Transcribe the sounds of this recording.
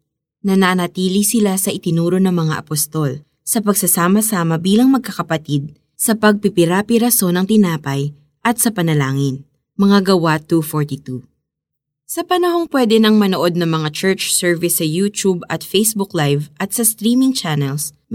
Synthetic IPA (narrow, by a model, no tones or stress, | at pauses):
nɐnaːnɐt̪iːlisɪlasɐʔɪt̪ɪnuːɾo̞nɐŋmɐŋa̰ʔɐpost̪o̞l | sɐpɐɡsɐsaːmɐsaːmɐbiːlɐŋmɐɡ̚kɐkɐpɐt̪id̪̚ | sɐpɐɡ̚pɪpɪɾapɪɾɐso̞nɐŋt̪ɪnaːpɐj | ʔɐt̪̚sɐpɐnɐlaːŋɪn | mɐŋaɡɐwat̪ufoɹt̪it̪u | sɐpɐnɐho̞ŋpwɛd̪ɛnɐŋmɐnoʔo̞d̪̚nɐŋmɐŋat͡ʃɛɹt͡ʃsɛɹvɪsːɐjut̪ubɐt̪fejsbuklajvʔɐt̪̚sɐst̪ɾiːmɪŋt͡ʃanɛls